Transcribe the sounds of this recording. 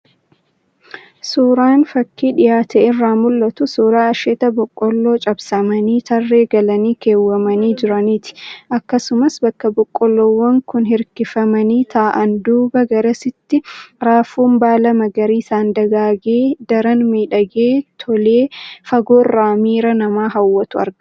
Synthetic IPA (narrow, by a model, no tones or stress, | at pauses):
suːɾaːnfɐkʰːiːᶑɪjaːt̪ɛɪrːaːmʊlːɐt̪ʊsuːɾaːɐʃɛt̪ɐbɔkʼːɔlːo̞ːt͡ʃʼɐbsɐmɐniːt̪ʰɐrːe̞ːɡɐlɐniːke̞ːwːɐmɐniːd͡ʒɪɾɐniːt̪ɪ̥ʔɐkːɐsʊmɐsbɐkːɐbɔkʼːɔlːoːwːɐŋkʊnhɪɾkɪfɐmɐniːt̪ʰaːʔɐnd̪uːbɐɡɐɾɐsɪt̪ːɪɾaːfuːmbaːlɐmɐɡɐɾiːsaːnd̪ɐɡaːɡeːd̪ɐɾɐnmiːᶑɐɡeːt̪ʰɔleːfɐɡoːrːaːmiːɾɐnɐmaːɦɐwːɐt̪ʊɐ̰ɾɡɐ